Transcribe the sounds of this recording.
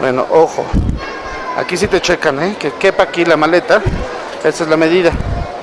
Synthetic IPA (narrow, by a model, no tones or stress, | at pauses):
bwḛno̰ʔoho̰ | a̰kis̬it̪et͡ʃekanekekepakilamalet̪a | est̪ezlameðiða